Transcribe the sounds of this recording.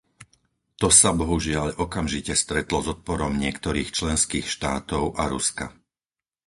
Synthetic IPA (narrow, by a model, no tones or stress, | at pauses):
t̪ɔsabɔɦuʒɪaʎɔkamʒicɛst̪ɾɛt̪lɔzɔt̪̚pɔɾɔmɲɪɛkt̪ɔɾiːxt͡ʃlɛnskiːxʃt̪a̰ːt̪ɔʊʔaɾuska̰